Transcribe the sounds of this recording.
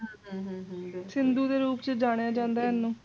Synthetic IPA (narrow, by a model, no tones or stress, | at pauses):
sɪnd̪uːd̪eːɾuːpt͡ʃəd͡ʒaːɽ̃ejaːd͡ʒãːnd̪aːɪnːũː